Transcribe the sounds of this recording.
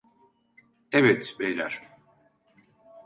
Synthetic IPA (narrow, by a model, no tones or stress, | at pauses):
ɛvɛt̪bejlʲæɾ̥